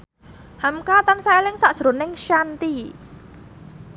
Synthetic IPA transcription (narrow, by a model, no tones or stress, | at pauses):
hamkat̪ansajlɪŋsaʔdʒ̥ɾonɪŋʃant̪i